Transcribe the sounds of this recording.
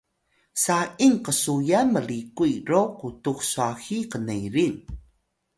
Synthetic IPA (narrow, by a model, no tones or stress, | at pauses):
saʔiŋqəsujaməlikuirokutuxsuaxiqənejɾin